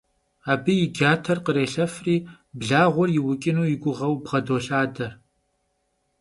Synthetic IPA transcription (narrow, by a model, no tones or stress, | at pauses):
aːbɨjɪɡʲaːtʰɐrqəɾeːɬɐfriː | bɮaːʁʷɔrjɪwʊkʼɪnuːjɪɡʷʊʁɐwbʁɐdoːɬaːdɐr